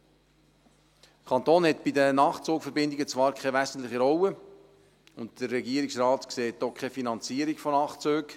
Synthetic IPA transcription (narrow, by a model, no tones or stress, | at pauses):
əkʰɑnt̪oːnhɛt̪b̥idənɑːχt͡suːkfəɾbɪnd̪ɪɡət͡sʋɑːɾkʰɛʋæzən̩t̪lɪχiɾɔwə | ʊnttərːɛɡiəɾɪksrɑːt̪kseːtːokʰχɛfinɑnt͡siːəɾikfɔnɑːχt͡søːk